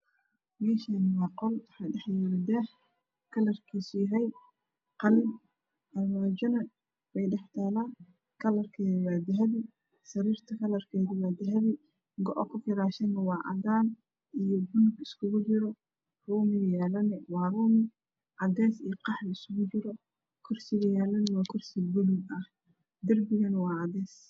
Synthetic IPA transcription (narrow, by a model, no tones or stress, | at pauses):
mɛːʃanɪwɑːqɔlwɑħɑɖɛħjɛɾd̪ɛːħ | kʰɐlɐrkʰiːsʊjɐɦɛj | qɑlɪn | ɐlmaːd͡ʒɔnɐ | wɛjɖɛħt̪ʰaːlaː | kʰɐlɐrkʰɛːðɪwaːd̪ɛɦɐβi | sɐɾiːrt̪ʰɐkʰɐlɐrkʰɛːðɪwaːd̪ɪɦɐβi | ɡɔʔɔkʰʊfɪɾaːʃɐnɐwɑːʕɑ̰d̪aːn | ijɔbʊnʊɡɪskʰʊɣʊt͡ʃɪɾɔ | ruːmɪɣjɛːlɐnɛwɑːruːmɪ | ʕɑd̪ɛːsijɔqɑħlɪsʊɣʊt͡ʃɪɾɔ | kʰɔrsɪɣɐjɛːlɐnɪwɑːkʰɔrsɪbʊlʊɡɐh | d̪ɐrbɪɣɐnwɑːʕɑd̪ɛːs